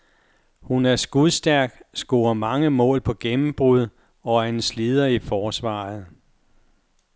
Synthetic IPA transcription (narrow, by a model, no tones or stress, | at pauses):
hunæɐsɡ̥uðˠsd̥æɐɡ̥sɡ̥oːɐmɑ̈ŋəmɔ̰̽ːlpʰɒ̽ɡ̥emm̩b̥ʁuð̞ˠ | ɒ̽æɐenslið̞ˠɐifɒːsʋɑ̰̈ːð̩ˠ